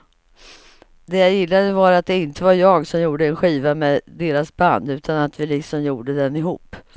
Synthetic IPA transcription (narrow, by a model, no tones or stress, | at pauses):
d̪ɛjajɪlːad̪əvaɾat̪̚d̪ɛɪnt̪əvaɾjɑːɡsɔmjuːɖəɛnɧiːvamɛd̪eːɾasband̪ʉ̟ːt̪ʰanat̪vɪlɪksɔmjuːɖəd̪ɛnɪɦuːpː